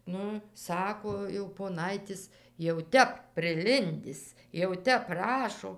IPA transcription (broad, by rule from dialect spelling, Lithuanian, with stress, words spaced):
ˈnʊ ˈsɑːkoː jɛʊ poːˈnɐɪtʲɪs jɛʊ ˈtʲɛp pʲrʲɪˈlʲɪnʲdʲɪs jɛʊ ˈtʲɛp ˈprɑːʃoː